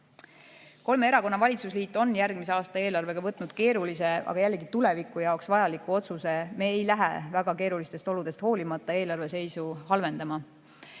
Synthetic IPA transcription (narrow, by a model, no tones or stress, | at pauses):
ko̞lme̞e̞ɾɑko̞nːɑvɑlʲit̪susliːt̪ːˑo̞njærɡmis̬e̞ɑːst̪ɑe̞ːlɑrve̞ɡ̥ɑvɤt̪ːˑnud̪̥ke̞ːɾulise̞ɑ̰ɡ̥ɑjælːe̞ɡit̪ule̞vikːˑujɑoksvɑjɑlikːˑuo̞t̪suse̞me̞ːejlæɦḛvæɡ̥ɑke̞ːɾulist̪e̞st̪o̞lud̪̥e̞st̪ho̞ːlimɑt̪ːˑɑeːlɑrve̞se̞jsuhɑlve̞nd̪ɑmɑ